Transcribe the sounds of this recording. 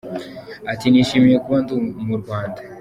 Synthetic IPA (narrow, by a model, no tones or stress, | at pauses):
atiniʃimijekuβandumuɾɡwaːnda